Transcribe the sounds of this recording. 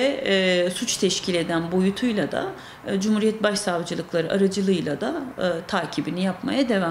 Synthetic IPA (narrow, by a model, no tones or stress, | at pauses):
ɛsut͡ʃt̪ʰɛʃcʰilʲe̞d̪ænbo̞jut̪ʰujlˠad̪a̰ | d͡ʒumhuːɾijɛt̪̚baʃsavd͡ʒɯlˠɯklˠaɾɯʔaɾad͡ʒɯlˠɯjlˠad̪at̪ʰaːcʰibinijapma̰jad̪e̞va